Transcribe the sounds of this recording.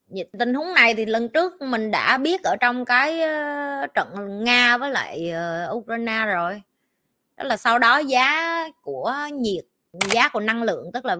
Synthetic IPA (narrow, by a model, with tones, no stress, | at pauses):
ɲ̰˧˨˩t̪ï˧˩ŋ̟ɦʊ˨˦ŋ͡mna˨˩jt̪ʰi˨˩lə˨˩nt͡ɕɨ˦˥ək̚mï˨˩ŋ̟ɗa̰ː˧˥ɓi˦˥ət̚ʔəː˧˩t͡ɕɔ˧wŋ͡mkaː˨˦j | t͡ɕə̰˧˨n˨ŋaː˧vəː˨˦jla̰ː˧˨jəː˨˩ʔu˧kɾaː˧jnaː˧zo˨˩j | t̪ə˦˥laː˨˩sa˧wɗɔ˨˦zaː˨˦ku˧˩əɲi˨˩ət̚ | zaː˨˦ku˧˩əna˧ŋlɨ̰˧˨əŋt̪ɨ˦˥k̚laː˨˩